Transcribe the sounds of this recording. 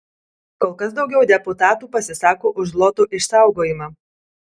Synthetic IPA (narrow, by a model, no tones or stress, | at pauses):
koːlˠkɐsd̪ɒʊɡʲɛʊd̪ʲɛpʊt̪ɑːt̪uːpɐsʲɪsɑːkoːʔʊʒlˠɔt̪oːʔɪʃsɑˑʊɡoːjɪmɑː